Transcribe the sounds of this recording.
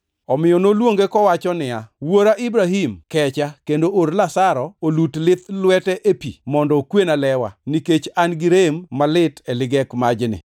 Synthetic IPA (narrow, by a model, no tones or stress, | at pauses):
ɔmɪjɔnolwoŋɡekɔwat͡ʃɔnɪawoɾaʔibɾaɦimkɛt͡ʃakendoʔorlasaɾɔolutlɪt̪lwɛtɛʔepḭmɔndɔkwenalɛwa̰niket͡ʃanɡɪɾemːalɪtɛlɪɡɛkmad͡ʒnɪ̰